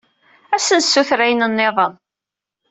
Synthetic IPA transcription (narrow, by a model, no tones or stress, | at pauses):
æsənsːuθɾæjənənːeðˤən